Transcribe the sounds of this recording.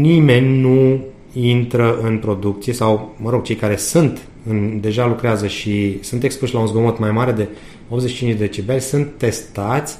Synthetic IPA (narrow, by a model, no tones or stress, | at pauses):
nime̞nʲnu | int̪ɾəɨnpɾo̞d̪ukt̪sije̞sawməɾo̞ɡ̚t͡ʃejkaɾe̞sunt̪ | ɨnd̪e̞ʒalukɾeazəʃisɨnt̪e̞kspuʃlaunzɡo̞mo̞t̪majmaɾe̞d̪e̞ | op̪zeʃit͡ʃint͡ʃd̪eet͡ʃibelʲsunt̪ːe̞st̪at̪sʲ